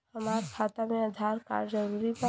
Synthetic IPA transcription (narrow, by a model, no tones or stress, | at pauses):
hɐmaːɾkʰaːt̪amẽɐd̪ʱaːɾka̰ːɾd͡ʒəɾuːɾipə